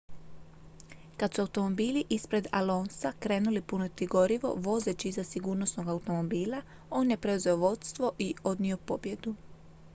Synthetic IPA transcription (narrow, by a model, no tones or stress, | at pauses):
kad̪suaut̪o̞mo̞biːliʔispɾe̞d̪a̰lo̞ːnsakɾe̞ːnulipunot̪iɡo̞ɾiʋo̞̰ʋo̞zet͡ɕiizasiɡuːɾno̞sno̞ɡaut̪o̞mo̞biːla | o̞ːnjepɾe̞uze̞oʋo̞t̪st̪ʋo̞ʔio̞d̪nio̞po̞bje̞d̪u